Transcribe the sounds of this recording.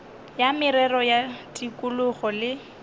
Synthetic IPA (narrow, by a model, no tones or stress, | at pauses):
jamɪɾɛrɔjatʼikʼʊlʊχɔlɪ